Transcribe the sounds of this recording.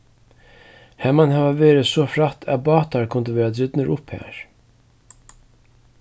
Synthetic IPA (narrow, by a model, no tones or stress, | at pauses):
hɛmanhavaʋeːɾɪsɔːfɾat̪ʰæ̰ðbɑːt̪aɹkʰʊnt̪əʋeːɾad̪ɾɪt̪nəɾʔʊphæ̰ːɹ̥